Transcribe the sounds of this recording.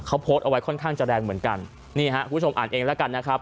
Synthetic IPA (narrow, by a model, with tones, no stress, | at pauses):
kʰa˦˥wpʰoː˦˥t̪̚ʔa˧wa˦˥jkʰɔ˥˩nkʰaː˥˩ŋt͡ɕa˧dɛː˧ŋmɯ˩˦ənka˧n | niː˥˩ɦa˦˥kʰu˧˩bt͡ɕo˧mʔaː˨˩nʔeː˧ŋlɛ˦˥ka˧nːa˦˥kʰɾa˦˥p̚